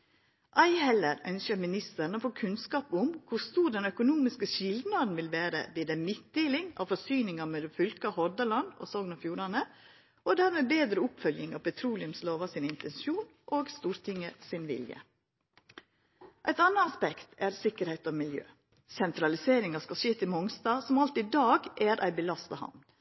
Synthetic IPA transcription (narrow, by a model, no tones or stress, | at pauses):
ʔɑɪhɛlːəɾœ̰nsəɾmɪnɪst̪əɾn̩oːfoːkʰʉnskɑːpʊmkʰʊst̪uːɖɛnœkʊnuːmɪskəʃɪld̪nɑd̪n̩ʋɪlʋæːɾə̰ʋiːd̪əmɪt̪̚d̪eːlɪŋɑ̰ːʋfɔsyːnɪŋɑmɛd̪ɛfʏlkɑhɔɾd̪əlɑnd̪o̰sɔːɡnɑfjuːɾɑnə | ʔɔd̪æːɾmɛbeːd̪ɾəʊpfœljɪŋɑ̰ʋpʰɛt̪ʰɾuːlɪʉmsloːʋɑsɪnɪnt̪ɛnsjuːnʔoːɡst̪uːɾt̪ʰɪŋːəsɪnʋɪ̰ljə̰ | ʔæɪt̪ɑnːəɑspɛkt̪ʰæɾsɪkəɾhɛɪt̪ɔmɪljø̰ː | sɛnt̪ɾɑlɪseːɾɪŋɑskɑʃeːt̪ʰɪmɔŋst̪ɑːsɔmɑlt̪ɪd̪ɑːɡæɾʔæ̰ɪbəlɑst̪ɑhɑ̰nd̪l